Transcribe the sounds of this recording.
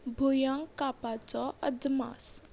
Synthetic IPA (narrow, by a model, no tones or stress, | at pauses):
bʱujaŋkapat͡sɔəd̪ma̰s